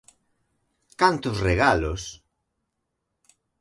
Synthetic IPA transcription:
kant̪osreɣalos

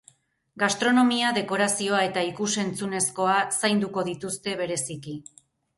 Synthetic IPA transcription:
ɡast̪ɾo̞no̞miaðe̞ko̞ɾasio̞ae̞t̪aikuse̞nt͡sune̞sko̞asajnd̪uko̞ðit̪ust̪e̞β̞e̞ɾe̞siki

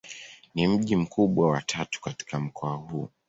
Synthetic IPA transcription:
nim̩ʄim̩kuɓwawatʰatu̥kati̥kam̩kʰɔahuː

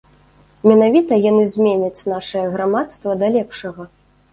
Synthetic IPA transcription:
mʲɛnavʲit̪ɐjanɨzʲmʲenʲɐt͡sʲnaʂɨjɐɣɾamat̪st̪vɐd̪alʲɛpʂɐɣɐ

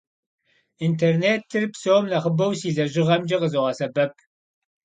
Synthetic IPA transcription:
intʰerneːtʰːɨrpsoːmnɐχəbɐwsiːzɐʒɪʁɐmd͡ʒɐqəzoʁɐsɐbɐp̚ʰ

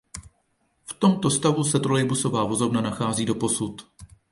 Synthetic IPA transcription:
ft̪o̞mt̪o̞st̪avusɛt̪ɾolɛjbuso̞vaːvo̞zo̞bnanaxaːziːdo̞po̞sut̪

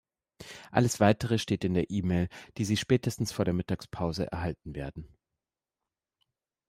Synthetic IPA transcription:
ʔa̰ləsv̥aɪtəʁ̞əʃteːtɪndeːɐʔiːmeːld̥iːziːʃpɛːtəstn̩sfoːɐɾeːɐmɪtaːkspʰaʊzə̰ʔɛ̰ɐɦalt̚n̩veːɐdn̩

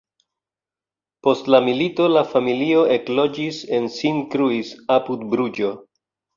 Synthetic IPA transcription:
po̞stlamilito̞lafamilio̞e̞klo̞d͡ʒise̞nsinkɾuisapudbɾud͡ʒo̞

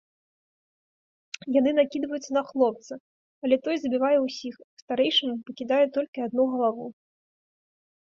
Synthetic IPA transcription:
janɨnakʲid̪vɐjut̪sːɐnɐxlˠɔp̚t̪sɨ | ɐlʲɛt̪ɔjzɐbʲivajɛwsʲixst̪aɾɛjʂɨmupɐkʲid̪ajɛt̪ɔlʲkʲiad̪̚nuɣɐlˠavu

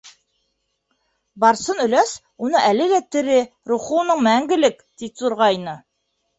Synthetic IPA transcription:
bɑɾsɤnɵ̆læs | unɤʔælɘ̆ɡæt̪ɘ̆ɾɘ | ɾuχunɤɴmæŋɡɘ̆lɘk | t̪it̪zuɾʁɑjnɤ

